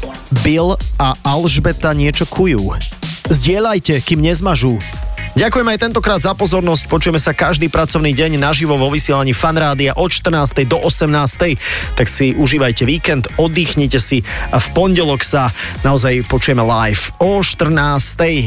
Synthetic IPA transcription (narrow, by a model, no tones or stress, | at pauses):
bilaalʒbɛt̪aɲɪɛt͡ʃɔkʰujuːzɟɪɛʎajcɛkiːmɲɛzmaʒuːɟakujɛmɛajt̪ɛnt̪ɔkɾaːd̪zapɔzɔɾnɔsc̚pɔt͡ʃujɛmɛsakaʒd̪iːpɾat͡sɔʊniːɟɛɲnaʒiʋɔʋɔʋisɪɛlaɲiːfanɾaːd̪iaʔɔt̪ʃt̪r̩naːst̪ɛjd̪ɔʔɔsɛmnaːst̪ɛjt̪aksiʔuʒiːʋajcɛʋiːkɛnd̪ɔd̪iːxɲɛcɛsiafpɔnɟɛlɔksanaɔzajpɔt͡ʃujɛmɛlajfɔʃt̪r̩naːst̪ɛj